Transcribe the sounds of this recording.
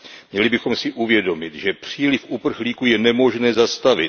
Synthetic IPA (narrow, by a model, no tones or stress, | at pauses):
mɲɛlɪbɪxo̞msɪʔuvjɛdo̞mɪt̪ʒɛpr̝̥iːlɪfʔupr̩xliːkujɛnɛmo̞ʒnɛːzast̪avɪt̪